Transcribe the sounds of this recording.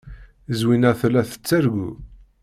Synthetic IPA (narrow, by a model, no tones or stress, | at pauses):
zwinæθlæθə̥t͡sːæɾɡṵ